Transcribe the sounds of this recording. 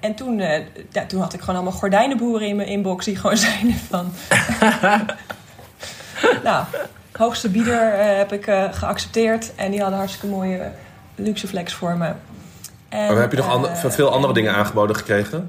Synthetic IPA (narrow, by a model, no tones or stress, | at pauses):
ɛntunjatunɦɑtɪkχoːnɑlˠmɑlˠχɔɹdɛjnəbuːrəɪnməʔɪnbɔksdiχəʋownzɛjnfɑn | naw | ɦowxstəbidəɹɦɛpɪkχəɑksɛ̥p̚tɪːɹtʔɛndiɦɑdənɦɑɹtstə̥kəmoːjə | lyksəflɛksfʊːɹmə | ʔɛɛpjənɔχfɪːlˠɑndərədɪŋəna̰ːnχəbowdəχə̥krejχə